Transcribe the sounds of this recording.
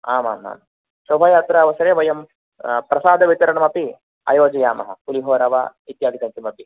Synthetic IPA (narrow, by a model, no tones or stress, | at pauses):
aːma̰ːma̰ːm | sobʱaːjaːt̪ɾɐɐʋɐsɐɾeːʋɐjɐm | pɾɐsaːd̪ʱɐʋit̪ɐɾɐɳɐmɐpi | ɐ̰joːd͡ʒɐjaːmɐ̰ɦɐ̰kuliɦoːɾɐʋɐ̰it̪jaːɡ̪it̪ɐnt̪imɐpi